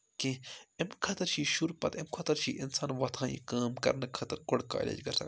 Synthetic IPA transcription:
kẽemkʰɐt̪ɐɾt͡ʃʰiːʃuɾpɐ̰t̪emkʰɐt̪ɐɾt͡ʃʰḭːʔɪnsaːnʋɐt̪ʰãːjḭkaːmkɐ̰ɾnɐkʰɐt̪ɐɾkoɽka̰ːlʲḛːd͡ʒɡɐɾsɐ̰

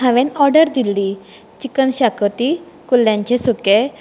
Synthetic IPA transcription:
ɦaʋẽnɔɾɖəɾd̪ilːi | t͡ɕikənɕakət̪i | kulːjãɲt͡ɕesuke

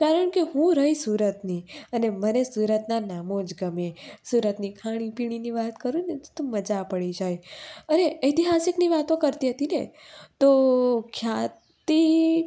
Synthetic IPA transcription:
kaɾəɳ̃keɦũɾəɦisuɾət̪niənemənesuɾət̪nanamod͡ʒɡəmesuɾət̪nikʰaɽ̃ipiɽ̃iniʋat̪kəɾũnet̪t̪ũməd͡ʒapəɭid͡ʒajəneət̪iɦasɪkniʋat̪õkəɾt̪iɦət̪inḛt̪okʰja | t̪i

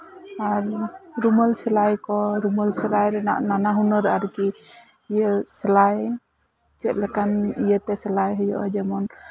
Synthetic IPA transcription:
aɾɾuməlsəlajkɔɾuməlsəlajɾa̰nanaɦunəɾaɾki | jeslaj | t͡ʃəlɛkanijət̪ɛsəlajɦɔjɔʔɔ̰d͡ʒɛmɔn

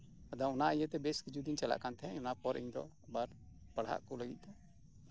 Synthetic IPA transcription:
ad̪aɔnaʔjət̪ɛbeskid͡ʒud̪int͡ʃala̰ʔkant̪ʰɛɛ̰ɲɔnapɔɾʔḭɲd̪ɔ̰ | baɾ | pəɽ̤a̰ʔkɔləɡḭt̪̚ˀd̪ɔ

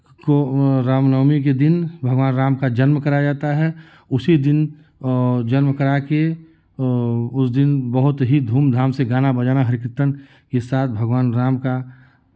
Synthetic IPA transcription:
koɾaːmnəːmik̬ed̪ɪnbʱɐɡʋaːnɾaːmkad͡ʒɐnmkɐɾad͡ʒaːt̪aɦɛ | ʊsid̪ɪn | d͡ʒənmkɐɾake | ʊsd̪ɪnbəɦʊt̪ɦid̪ʱuːmd̪ʱaːmseɡaːnabɐd͡ʒaːnaɦɐɾɪkɾɪt̪ːən | kesaːt̪̚ʰbʱɐɡʋaːnɾaːmka

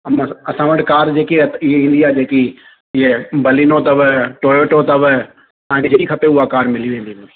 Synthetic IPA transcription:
mɐsãʋɐʈkaːɾd͡ʑeːkieɪɦeĩːn̆d̪iaːd͡ʒeːki | ɪɦebɐliːnot̪ɐʋʈoːoːʈot̪ɐʋ | t̪ãːãked͡ʒekikʰɐpeʊɦakaːɾmɪliʋẽːnd̪iɦũi

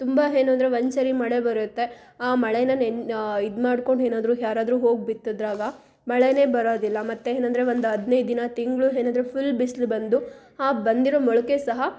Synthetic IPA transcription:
t̪umbaɦe̞ːnuɐnd̪ɾe̞ʋɐnsɐɾimɐɭebɐɾut̪ːe̞ | aːmɐɭenɐnenid̪maːɖko̞ɳɖeːnaːd̪ɾuːɦjaːɾaːd̪ɾuːɦo̞ːɡ̚bit̪ːud̪ɾaːɡɐ | mɐɭene̞ːbɐɾoːd̪ilːɐmɐt̪ːeeːnɐnd̪ɐɾe̞ʋond̪uɦɐd̪nejd̪inɐt̪iŋɡɭuɦeːnɐnd̪ɾepʰulːbislbɐnd̪u | aːbɐnd̪iɾoːmɔɭɐke̞sɐɦɐ

